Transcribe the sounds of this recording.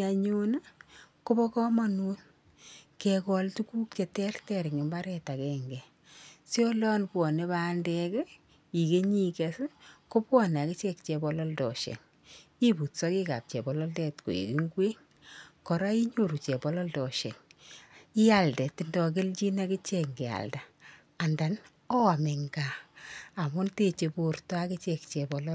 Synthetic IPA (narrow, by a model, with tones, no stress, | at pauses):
a˨ɲu˦na˦ko˦bɔ˦kɔ˦mɔ˦nu˦n | ke˨kɔ˨ltu˦ku˦k̚t͡ʃe˨tɛ˦rtɛ˨ɾɪ˨ŋɪ˨mba˦ɾɛta˨kɛ˨ŋɡɛ˨ | sjo˦lɔ˦npwɔ˨ne˦baː˦ndɛ˧kɛ˦ | i˨ke˦ɲi˦ke˨sko˦pwɔ˦na˨kɪ˦t͡ʃɛ˦kt͡ʃe˨bɔ˨lɔ˦ltɔ˨ʃɛ̰˨ŋ | i˦bu˨tsɔ˦ki˦ka̰˨p̚t͡ʃɛ˨bɔ˨lɔ˦ltɛ˦tko̰˨ḭ˨ki˦ŋɡwe˦ŋ | kɔ˨ɾa˦i˦ɲo˦˨ɾu˨t͡ʃɛ˨pɔ˦lɔ˦ldɔ˨ʃɛ̰˨ŋ | i˦a˨ldɛ˨tːɪ˦ndɔ˨k̬ɪ˦lt͡ʃi˦na˦kɪ˦t͡ʃɛ˨kŋɡe˨a̰˨lda˨ | a˨nda˨n | ɔ˦a˨me˨ŋɡaː˨ | mʊ˦nte˦t͡ʃe˧pu˨rta˦kɪ˦t͡ʃɛ˨kt͡ʃɛ˨bɔ˨lɔ˦